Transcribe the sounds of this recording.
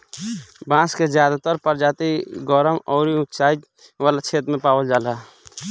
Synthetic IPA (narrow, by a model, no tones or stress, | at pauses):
bãːsked͡ʒjaːd̪at̪əɾpəɾd͡ʒaːt̪iɡɔɾəmɔːɾiʊt̪t͡ʃaːit̪ | ʋaːlat͡ʃʰeːt̪ɾmẽpaːwəld͡ʒaːla